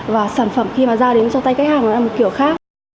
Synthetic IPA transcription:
vaː˨˩saː˧˩nfə˧˩mxi˧maː˨˩zaː˧ɗe˨˦nt͡ɕɔ˧t̪a˧jka˦˥k̚haː˨˩ŋʔɔ˨˩la˧m˨˩t̚ki˧˩əwxaː˦˥k̚

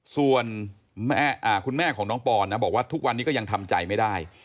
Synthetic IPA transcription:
su˨˩ən | mɛ˥˩ʔaː˨˩kʰu˧nmɛː˥˩kʰɔː˩˦ŋnɔː˦˥ŋpɔː˧nːa˦˥˩bɔː˨˩k̚waː˥˩t̪ʰu˦˥k̚wa˧nːi˦˥kɔ˥˩ja˧ŋt̪ʰa˧mt͡ɕa̰˧jma˥˩jdaː˥˩j

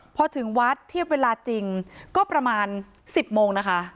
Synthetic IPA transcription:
pʰɔ˧t̪ʰɯ˩˦ŋwa˦˥t̪ʰːi˥˩əp̚weː˧laː˧t͡ɕi˧ŋkɔː˥˩pɾa˧maː˧n | si˨˩p̚moː˧ŋna˦˥kʰa˦˥ʔ

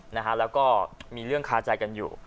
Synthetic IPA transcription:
na˦˥kʰa˦˥lɛː˦˥wkɔː˥˩miː˧ɾɯ˥˩əŋkʰaː˦˥t͡ɕa˧jka˧njṵː˨˩

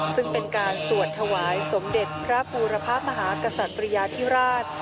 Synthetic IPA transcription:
sɯ˥˩ŋpe˧nkaː˧nsu˨˩ət̪ʰːa˧waː˩˦jso˩˦mde˨˩t̪̚pʰɾa˦˥uː˧ɾa˧pʰaː˥˩p̚ma˧ɦaː˩˦ka˧sa˨˩t̪ːɾi˧jaː˧t̪ʰi˦˥ɾaː˥˩t̪̚

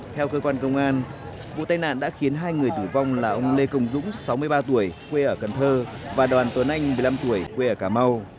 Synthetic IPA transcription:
t̪ʰɛ˧wkəː˧kwaː˧nkə˧wŋ͡mʔaː˧n | vṵ˧˨t̪a˧jna̰ː˧˨nɗa̰ː˧˥xi˨˦ənɦaː˧jŋɨ˨˩əjt̪ɨ˧˩va˧wŋ͡mlaː˨˩ʔə˧wŋ͡mle˧kə˧wŋ͡mzʊ̰˧˥ŋ͡msa˨˦wmɨ˧əjɓaː˧t̪u˧˩əjkwe˧ʔəː˧˩kə˨˩nt̪ʰəː˧ | vaː˨˩ɗwaː˨˩nt̪wə˨˦nʔa˧jŋ̟mɨ˨˩jla˧mt̪u˧˩əjkwe˧ʔəː˧˩kaː˧˩ma˧w

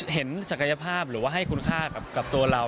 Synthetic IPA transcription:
ɦe˩˦nsa˨˩ka˧ja˧pʰaː˥˩p̚ɾɯː˩˦waː˥˩ɦa˥˩jkʰu˧nkʰaː˥˩ka˨˩p̚ka˨˩p̚t̪u˧ɐɾa˧w

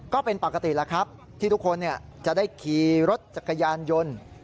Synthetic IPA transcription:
kɔː˥˩pe˧npa˨˩ka˧t̪i˨˩la˦˥kʰɾa˦˥p̚ | t̪ʰiː˥˩t̪u˦˥kʰːo˧nːi˥˩ɐt͡ɕa˨˩daː˥˩jkʰiː˨˧ɾo˦˥t̪̚t͡ɕa˨˩kːa˧jaː˧njo˧n

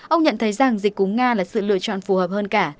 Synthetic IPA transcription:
ʔə˧wŋ͡mɲə̰˧˨nt̪ʰə˨˦jza˨˩ŋzï˨˩k̟̚kʊ˨˦ŋ͡mŋaː˧laː˨˩sɨ̰˧˨lɨ̰˧ət͡ɕɔ̰˧˨nfu˨˦həː˨˩p̚həː˧nkaː˧˩

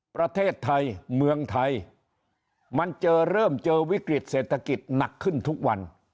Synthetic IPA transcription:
pɾa˧t̪ʰeː˥˩t̪ʰːa˧jmɯ˧əŋt̪ʰa˧j | ma˧nt͡ɕɤː˧ɾɤː˥˩mt͡ɕɤː˧wi˦˥kɾi˨˩t̪̚seː˨˩t̪ʰːa˧ki˨˩t̪̚na˨˩kʰːɯ˥˩nt̪ʰu˦˥k̚wa˧n

